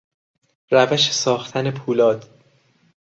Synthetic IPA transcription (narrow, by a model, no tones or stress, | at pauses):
ɾævæʃe̥sɒːxt̪ʰæne̞pʰuːlɒːd̪̥